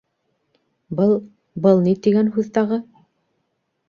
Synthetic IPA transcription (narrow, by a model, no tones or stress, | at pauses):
bɤlˠ | bɤlˠnit̪iɡænɦʉðt̪ɑʁɤ